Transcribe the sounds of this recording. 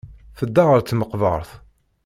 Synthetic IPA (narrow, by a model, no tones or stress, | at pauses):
θəd̪ːaʁəɾt͡s̪ːməqvə̰ɾˤθ